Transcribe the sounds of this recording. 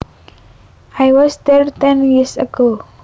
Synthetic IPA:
ʔajwɔsd̪ɛɹt̪ɛ̃njisəɡo

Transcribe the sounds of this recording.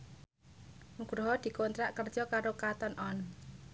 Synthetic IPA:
muɡ̥ɾɦɔd̪̥i̤kont̪ɾaʔkərd̥ʒ̥ɔkaɾokat̪ɔnʔɔn

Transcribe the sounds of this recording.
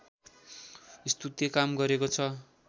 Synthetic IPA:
ist̪ut̪jʌkamɡʌɾekot͡sʰʌ

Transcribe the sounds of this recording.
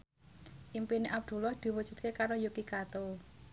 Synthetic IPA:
ʔimpineʔab̚d̪̥ṳlɔhd̪̥i̤wud̥ʒ̥ṳt̪̚kekaɾojukikat̪o

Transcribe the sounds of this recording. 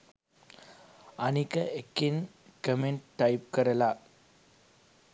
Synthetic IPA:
anikəekːin | kəmeɳʈ̚ʈːajp̚kəɾəla

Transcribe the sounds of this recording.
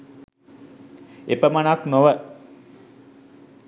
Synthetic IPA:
epəmanaknoʋə

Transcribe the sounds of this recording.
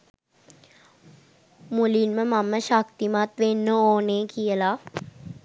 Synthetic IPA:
mulinməmamːəʃak̚t̪imat̪ʋenːəoːneːkʰijəla

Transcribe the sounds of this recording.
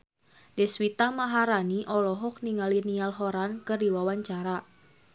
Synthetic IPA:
dɛswit̪amaɦaɾaniʔɔlɔɦɔk̚niŋalinialɦɔɾankɨrdiwawaɲt͡ʃaɾa

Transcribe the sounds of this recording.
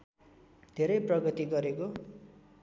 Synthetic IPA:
d̪ʱeɾʌjprʌɡʌt̪iɡʌɾeko

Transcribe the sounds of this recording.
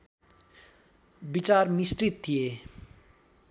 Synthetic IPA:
bit͡sarmisʈrit̪ʰːije

